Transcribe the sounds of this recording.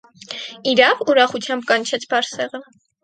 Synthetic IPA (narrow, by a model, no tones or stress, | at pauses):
iɾɑvuɾɑχut͡sʰjɑmbkɑnt͡ʃʰɛt͡sʰbɑɾsɛʁə